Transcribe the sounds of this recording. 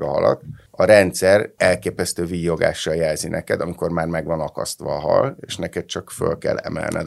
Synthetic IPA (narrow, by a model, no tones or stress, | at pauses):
ɒɦɒ̰lɒ̰t̪ɒɾɛnt̪sɛrɛlkeːpɛst̪øːviːjoɡa̰ːʃːɒljɛlzinʔɛkɛd̪ɒmiko̞rmaːrmɛɡʋɒnɒkɒ̰st̪ʋɒːɦɒ̰leːʃnɛkɛt̪̚t͡ʃɒkfø̰lkɛ̰lːɛmɛ̰lnʔɛ̰